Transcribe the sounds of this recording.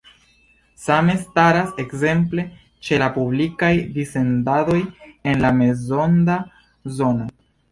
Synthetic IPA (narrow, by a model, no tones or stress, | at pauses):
same̞staɾase̞kze̞mple̞ | t͡ʃe̞lapublikajdise̞ndado̞je̞nlame̞zo̞nda | zo̞no̞